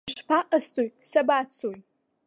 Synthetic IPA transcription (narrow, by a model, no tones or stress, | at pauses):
ʂpʰaʔastʰʼojsabat͡sʰoj